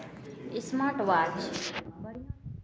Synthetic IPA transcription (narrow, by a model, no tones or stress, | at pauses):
ɪsmaʈʋaːt͡ʃ